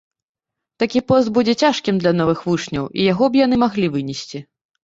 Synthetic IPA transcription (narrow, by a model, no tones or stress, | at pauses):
t̪akʲipɔst̪̚bud͡zʲɛt͡sʲaʂkʲimd̪lʲɐnɔvɨxvut͡ʂnʲɐwʔḭjaɣɔbjan̪ɨmaɣlʲivɨnʲɛsʲt͡sʲi